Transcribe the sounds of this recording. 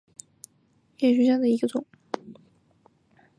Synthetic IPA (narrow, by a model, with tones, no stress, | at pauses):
jɛ˥˩ɕy˧˥ɕjɑ˥˩d̪ə˩i˧˥ɡə˧t͡sʊ˨˩˦ŋ